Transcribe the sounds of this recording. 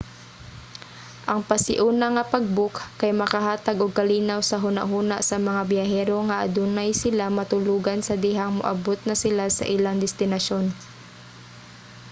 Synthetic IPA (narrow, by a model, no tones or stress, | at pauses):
ʔɐŋpɐsɪʔuːnɐŋɐpɐɡ̚bʊkkɐjmɐkɐɦaːt̪aɡʔoɡ̚kɐliːnawsɐɦʊna̰ʔɦuːnaʔsɐmɐŋabjahɛːɾoŋɐʔɐ̰d̪uːnajsɪlamɐt̪ʊluːɡansɐd̪ɪɦaŋmʊ̰ʔa̰bot̪̚nɐsɪlasɐ̰ʔɪlaŋd̪ɛst̪ɪnɐʃon